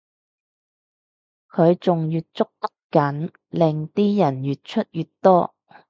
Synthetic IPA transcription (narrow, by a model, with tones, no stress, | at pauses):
kʰɵ˨˧ɥt͡sʊ˨ŋjyː˨t̚t͡sʊ˥k̚t̪ɐ˥kkɐ˨˥n | lɪ˨ŋt̪iː˥jɐ˨˩njy˨t̚t͡ʃʰɵ˥t̚jy˨tt̪ɔː˥